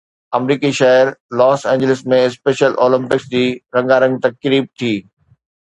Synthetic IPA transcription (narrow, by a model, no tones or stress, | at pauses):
ɐmɾiːkiʃɐɦəɾlɔːsɛ̃ːɲd͡ʑɪlɪsmẽɪspeːʃəlʔoːlɪ̃mpɪksd͡ʑiːɾɐ̃ŋɡaːɾə̃ŋɡ̚t̪ɐkɾiːb̚t̪ʰiː